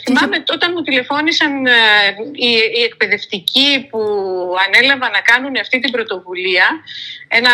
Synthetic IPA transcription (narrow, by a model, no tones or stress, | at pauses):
θimɐme̞t̪o̞t̪ɐnmut̪ile̞fo̞nisɐn | iie̞k̚pe̞ðe̞ft̪icipuɐne̞lɐvɐnɐkɐnuneɐft̪it̪ibɾo̞t̪o̞vuliɐe̞nɐ